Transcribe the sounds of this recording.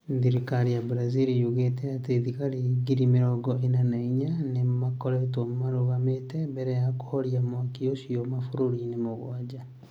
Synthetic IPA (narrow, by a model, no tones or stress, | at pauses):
ðiɾikaɾijabɾaziɾijoɣetɛateðikaɾeɡiɾimeɾɔɡɔenanaiɲanemakɔɾɛtomaɾoɣametɛmbɛɾɛjakoːɾjamwakiosiɔmafoɾoɾinemoɣwad͡ʒa